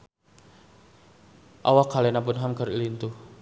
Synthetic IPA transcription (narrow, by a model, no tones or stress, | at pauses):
ʔa̰wakalenapʊnɦamkəɾilint̪u